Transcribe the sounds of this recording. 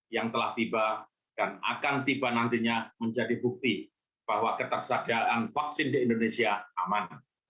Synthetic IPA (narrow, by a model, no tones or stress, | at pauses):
jaŋt̪əlaht̪iba | d̥ana̰kant̪ibanant̪iɲaməɲd͡ʒadibuk̚t̪i | b̥ahwakət̪ərsadaʔanfaksɪndiindonesiaaman